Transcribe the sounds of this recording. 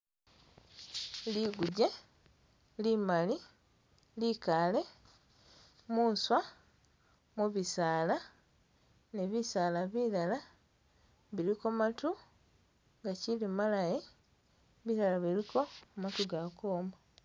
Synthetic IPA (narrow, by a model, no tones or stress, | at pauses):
liɡuɟe̞ | limali | likale̞ | muːnswa | muβisaːla | neβisaːlaβilala | βiɾikomatu | ŋɡacilimalaje | βiɾalaβilikʰo̞mmatuɡakoːma